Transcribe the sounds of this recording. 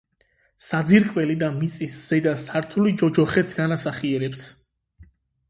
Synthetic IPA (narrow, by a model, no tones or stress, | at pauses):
sad̪ziɾkʼwɛlid̪amit̪sʼisz̥ɛd̪asaɾt̪ʰulid͡ʒɔd͡ʒɔχɛt̪sɡanasaχiɛɾɛps